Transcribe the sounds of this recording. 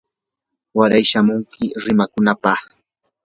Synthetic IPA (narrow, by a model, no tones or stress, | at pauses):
waɾajʃamʊŋkʰɪɾɪmakʊnapɑχ